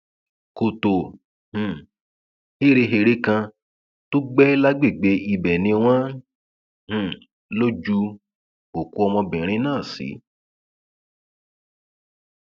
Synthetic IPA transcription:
ko˨to˨ | h̩˨ | he˦˨ɾe˧ɦe˧ɾe˦kã˧ | to˦ɡ͡bɛ˦la˦ɡ͡be˦˨ɡ͡be˨˧˦i˧bɛ˨nĩ˧w̃ã˦ | h̩˨ | lo˦d͡ʒu˧ | o˨ku˧ɔ˧mɔ̃˧bĩ˨ɾ̃ĩ˧˦nãː˦˨sḭ˨˦

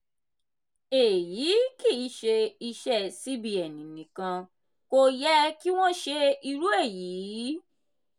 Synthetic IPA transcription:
e˨jiː˨˦ki˦˨˦ʃe˧i˧ʃɛ˦˨si˦bi˧ɛ˨nĩ˨nĩ˨˦kã˧ | ko˧jɛ˦ki˦w̃ɔ̃˦ʃe˧i˧ɾu˦e˦˨jiː˨˦

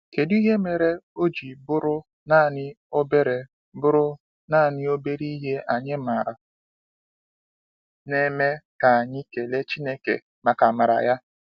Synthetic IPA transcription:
ke˨du˦i˦ɦe˦me˨ɾe˦o˦d͡ʒi˨bʊ˦ɾʊ˦ | naː˦˨nɪ˦ | o˦be˦ɾe˨ | bʊ˦ɾʊ˦ | na˦˨nɪ˦o˦be˦ɾi˦ɦe˦a˨ɲɪ˦ma˨ɾa˨ | ne˦me˦ka˨a˨ɲɪ˦ke˨le˦t͡ʃi˦ne˦kḛ˨ | ma˨ka˨ma˨ɾa̰˨ja˦

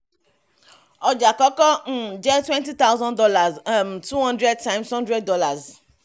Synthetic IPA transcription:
ɔ˨d͡ʒa˨kɔ˦kɔ˦ŋ̩˦d͡ʒɛ˦twɛ̃˦nti˦t̪a˦wzɔ̃˦ndɔ˦la˨zmtu˦hɔ̃˦ndɾɛ˦d̚tã˦ɪmshɔ̃˦ndɾɛ˦dːɔ˦la˨z

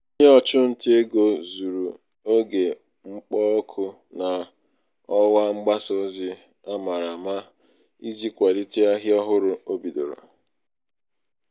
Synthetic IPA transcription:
o˦ɲe˦ɔ˦t͡ʃʊ˦n̩˨te˦e˦ɡo˨zu˨ɾu˨ | o˦ɡe˨ | ŋ͡m̩˦k͡pɔ˦ɔ˦kʰʊ˦ | na˨ | ɔ˦wa˦ŋ͡m̩˦ɡ͡ba˦so˦zi˦ | a˦ma˨ɾa˨ma˦ | i˦zi˦kʷa˨li˦ti˦a˦ɦɪ˦ɔ˦ɦʊ˦ɾʊ˦o˦bi˨do̰˨ɾo̰˨

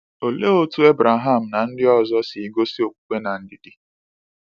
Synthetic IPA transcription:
o˨le˦o˦tu˦e˦bɾa˨ɦa˦˨m̩˨na˨n̩˦dɪ˦ɔ˦˨zɔ˦si˨i˦ɡo˦si˦o˨k͡pu̥˨k͡pʷe˦na˨n̩˦dɪ˦dɪ˦

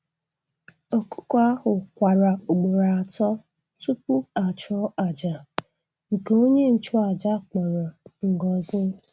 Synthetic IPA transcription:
o˨kʊ̥˦ka˦hʊ˨kʷa˨ɾa˨o˨ɡ͡bo˨ɾa˨a˨tɔ˦ | tu˦pʊ˦a˨t͡ʃɔ˦a˨d͡ʒa˨ | ŋ̩˨ke˨o˦ɲe˦n̩˨t͡ʃʊ˦a˨d͡ʒa˦k͡pɔ˨ɾɔ˨ŋ̩˨ɡɔ˨zɪ˦

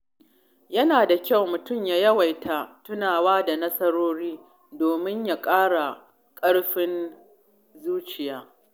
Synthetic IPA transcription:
jɐ˦naː˨da˨kʲa˦˨wmʊ˨tʊ˦˨mjaː˨jɐ˦wa˨jtʰa˨tʊ˦naː˨waː˦da˨nɐ˦sɐ˦ɾoː˦ɽiː˦ | doː˨mɪ˦ɲja˨kʼaː˦ɽa˨ | kʼɐ˦ɽɸɪ˦n | zuː˦t͡ʃɪ˨jaː˦

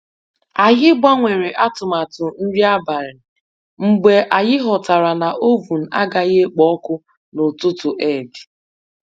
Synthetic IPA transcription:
a˨ɣɪ˦ɡ͡bʷa˦ŋʷe˨ɾe˨ʔa˦tʊ˨ma˨tʊ˨n̩˦ɾi˦a˦ba˨ɾɪ˨ | ŋ͡m̩˨ɡ͡be˨ʔa˨ɣɪ˦ɦɔ˨ta˨ɾa˨na˨ʔo˦vu˨n̩˨a̰˦ɡa˨ɣe˦k͡pɔ˦kʊ˦ | no˨tʊ˦tʊ˨ʔe˨di˨

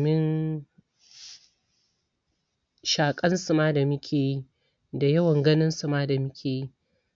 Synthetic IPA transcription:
mɪ˦n | ʃaː˨kʼɐ˦nsu˨maː˦da˨mʊ˦kʲʰeː˨ji˦ | da˨jɐ˦wɐ˨ŋɡɐ˦nɪ˦nsu˨maː˦da˨mʊ˦kʲʰeː˨ji˦

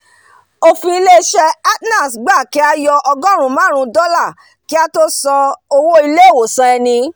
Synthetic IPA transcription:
o˧fĩ˧i˧le˦˧˦ʃɛ˧a˦tna˦˨sɡ͡ba˦˨ki˨˦a˧jɔ˧ʔɔ˧ɡɔ˦˨ɾ̃ũ˨˦mãː˦ɾ̃ũ˧dɔ˦la˦˨ | ki˦a˦to˦sɔ˧o˧wo˦i˧le˦˨wo˨sã˧ɛ˧nĩ˧

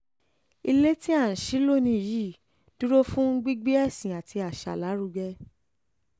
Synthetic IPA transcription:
i˧le˦ti˦ã˦˨ʃi˨˦lo˦˨nĩ˧˨ji˦˨ | d̥u˦ɾo˦fũ˦ɡ͡bi˦ɡ͡bi˦ɛ˦˨sĩ˨a˨tʰi˧a˨ʃa̰˨la˨˦ɾu˧ɡɛ˧

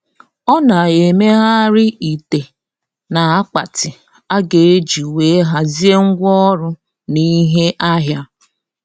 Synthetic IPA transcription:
ɔ˦na˨e˨me˦ɦa˦ɾɪ˦i˨te˨ | na˨a˦k͡pa˨tɪ˨ | a˦ɡe˨e˦d͡ʒi˨we˨˦ɦa˦zi˦e˦ŋ̩˦ɡʷɔ˦ɾʊ˦ | ni˦ɦe˦ʔa˦ɦja˦

